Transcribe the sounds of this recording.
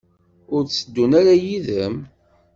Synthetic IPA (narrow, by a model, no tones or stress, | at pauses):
ʊɾt͡sːəd̪ːunaɾajiðəm